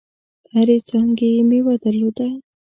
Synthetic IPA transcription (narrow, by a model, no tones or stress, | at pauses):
aɾet͡saŋɡejemiwad̪əɾlod̪a